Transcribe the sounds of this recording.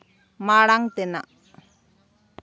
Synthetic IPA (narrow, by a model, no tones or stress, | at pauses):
maːɽaŋt̪ena̰